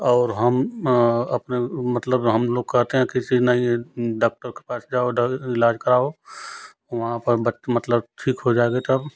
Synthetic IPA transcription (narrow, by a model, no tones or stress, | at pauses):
ɔːɾɦəm | ɐpnemɐt̪ləbɦɐmloːɡ̚kɛɦt̪eɦɛ̃kɪsinəĩɖaːk̚ʈəɾke̥paːsd͡ʒaːoɖɪlaːd͡ʒkɐɾaːo | oʋɐɦãpəɾbəmɐt̪ləb̚ʈʰiːkɦod͡ʒaːeɡet̪əb